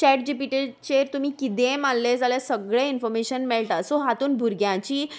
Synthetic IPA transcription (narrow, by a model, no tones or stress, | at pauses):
t͡ɕɛʈd͡ʑipiʈeɖt͡ɕeɾt̪um̤iːkit̪ẽmalːed͡zaljeasəɡɭeinfɔɾmeɕənmeɭʈasoɦat̪uːnbʱuɾɡjãt͡ɕiː